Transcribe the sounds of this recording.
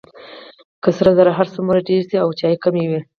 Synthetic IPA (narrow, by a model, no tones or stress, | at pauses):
kəsaɾazaɾaɦaɾsəmuɾaɖeɾd̪iawt͡ʃɑjkamewi